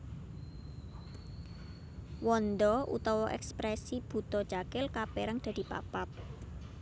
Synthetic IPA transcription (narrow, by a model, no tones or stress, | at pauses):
wɔnd̪ɔʔṵt̪ɔwɔʔɛ̰kspɾɛsib̥ṳt̪ɔt͡ʃakɪlkapeɾaŋd̪̥a̤d̪̥i̤pa̰pap̚